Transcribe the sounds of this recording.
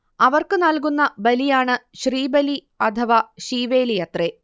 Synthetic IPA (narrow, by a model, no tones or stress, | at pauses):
ɐʋɐrkɨnɐlk̬unːɐbɐlijaːɳɨɕriːbɐli | ɐt̪ʰɐʋaːɕiːʋe̞ːlijɐt̪re